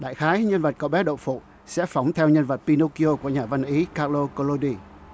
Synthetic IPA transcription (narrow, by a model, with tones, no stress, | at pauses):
ɗa̰ː˧˨jxaː˨˦jɲə˧nvə˨˩t̚kə˧˨˩wɓɛ˨˦ɗə̰˧˨wŋ͡mfṵ˧˨ | sɛ̰˧˥fa˨˦wŋ͡mt̪ʰɛ˧wɲə˧nvə˨˩t̚pi˧no˧ki˧o˧ku˧˩əɲaː˨˩va˧nʔi˨˦kaː˧t̚lo˧ko˧lo˧ɗi˧